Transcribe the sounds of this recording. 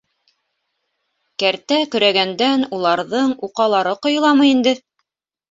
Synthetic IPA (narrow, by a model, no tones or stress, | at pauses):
kæɾt̪ækɵ̆ɾæɡænd̪ænulˠɑɾðɤɴuqɑlˠɑɾɤqŏjɤ̆lˠɑmɤjind̪ɘ